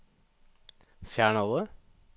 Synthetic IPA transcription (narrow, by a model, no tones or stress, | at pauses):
fjæːɳɔlə